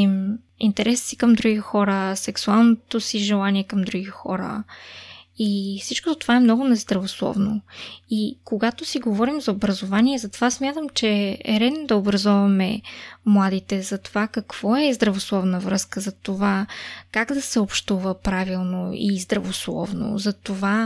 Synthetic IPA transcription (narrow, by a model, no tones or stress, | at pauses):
im | ḭnt̪ɛɾɛssikɐmd̪ɾuɡixɔɾəsɛksualˠnot̪osiʒɛlˠaniɛkɐmd̪ɾuɡixɔ̰ɾə̰ | ifsit͡ʃkozɐt̪ovaɛmnɔɡʊnɛzd̪ɾɐvoslˠɔ̰vnoikoɡat̪osiɡovɔɾimzɐobɾɐzovaniɛzɐt̪ovasmʲjat̪əmt͡ʃɛɛ̰ɾɛd̪nod̪ɐobɾɐzɔvɐmɛmlˠad̪it̪ɛzɐt̪ovakɐkv̥ɔɛzd̪ɾɐvoslˠɔvnəvɾɤskəzɐt̪ovakaɡd̪ɐsɛopʃt̪uvəpɾavilˠnoizd̪ɾɐvoslˠɔ̰vno̰zɐt̪ova